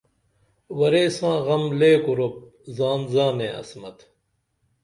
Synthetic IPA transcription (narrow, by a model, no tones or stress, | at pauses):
wɐɾeːsãːɣɐmleːkuɾop̚zaːnzãːnẽːɐ̰smɐt̪